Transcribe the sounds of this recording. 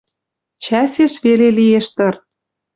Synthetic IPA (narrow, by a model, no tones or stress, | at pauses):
t͡ɕæseʃβelelieʃt̪ɤ̆r